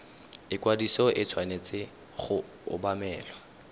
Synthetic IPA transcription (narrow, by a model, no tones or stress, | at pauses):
ɪkwadisɔʔɪt͡sʰwanet͡sʼɪ | χʊ | ʊ̰bamɛːlwa